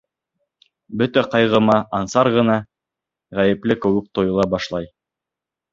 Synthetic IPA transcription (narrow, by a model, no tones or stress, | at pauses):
bɵt̪æqɑjʁɤ̆mɑʔɑnsɑɾʁɤ̆nɑ | ʁæjɘ̆plɘkɵ̆wɘk̚t̪ojɤ̆lˠɑbɑʃlˠɑj